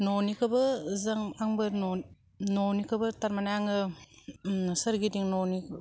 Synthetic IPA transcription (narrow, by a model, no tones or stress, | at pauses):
nɔnikʰɯbɯzaŋaŋbɯɾnɔ | nɔnikʰɯbɯtaɾmanajaŋɯ | sɐɾɡidiŋnɔni